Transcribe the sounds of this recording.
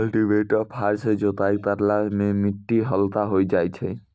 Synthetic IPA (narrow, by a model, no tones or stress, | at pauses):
lʈiʋeʈɔpʰaɾsed͡ʒot̪aip̪aɾlamẽmiʈːiɦɔlt̪aɦojd͡ʒajt͡ʃʰɛ